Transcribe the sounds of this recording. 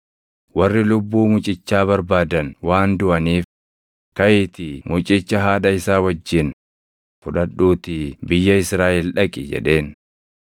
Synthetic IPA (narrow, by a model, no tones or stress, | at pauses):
wɐrːɪlʊbːuːmʊt͡ʃʼɪt͡ʃːaːbɐɾbaːd̪ɐnwaːnd̪ʊʔɐniːf | kɐʔɪt̪ɪmʊt͡ʃʼɪt͡ʃːɐɦaːᶑɐɪsaːwɐd͡ʒːɪn | fʊᶑɐɗuːt̪ɪbɪjːɐɪsɾaːʔɪlᶑɐkʼɪd͡ʒɛ̰ᶑe̞ːn